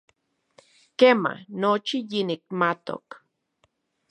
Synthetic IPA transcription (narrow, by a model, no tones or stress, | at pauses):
kema̰not͡ʃijinik̚mat̪o̰k